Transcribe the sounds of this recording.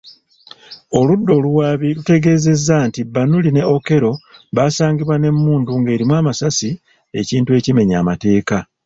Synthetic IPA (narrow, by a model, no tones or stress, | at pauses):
o̞ludːo̞ːluwaːβilute̞ɡe̞ːze̞zːantibanuline̞oke̞ɾo̞βaːsaːɲɡiβwane̞mːuːnduŋɡe̞ːɾimwaːmasasi | e̞̰ciːntue̞ːcime̞ɲaːmate̞ːka